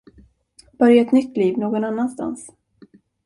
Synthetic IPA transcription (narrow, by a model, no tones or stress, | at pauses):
b̥œɾjaɛt̪nʏt̪ːliːvnoːɡɔnanːanst̪a̰ns